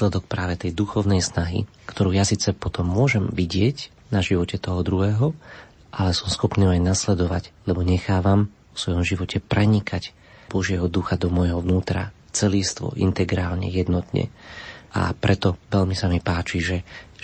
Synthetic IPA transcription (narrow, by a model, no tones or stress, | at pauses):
lɛd̪ɔk̚pɾaːʋɛt̪ɛjd̪uxɔʊnɛjsnaɦḭ | kt̪ʰɔɾuːjasiːt͡sɛpɔt̪ɔmːʊɔʒɛmʋiɟɪɛc | naʒiʋɔcɛt̪ɔɦɔd̪ɾuɦɛːɦɔ | ʔalɛsɔmsxɔpniajnaslɛd̪ɔʋa̰ɟlɛbɔɲɛxaːʋamʋɔ̥sʋɔjɔmʒiʋɔcʰɛpɾɛɲikac | b̥ɔʒɪɛɦɔd̪uxad̪ɔmɔjɦɔʋnuːt̪ɾa̰ | t͡sɛliːst̪ʋɔ̰ʔḭnt̪ɛɡɾaːlɲɛ̰jɛd̪nɔt̪ɲɛ̰ʔa̰pɾʔɛt̪ɔʋɛlmisamipaːt͡ʃiʒɛ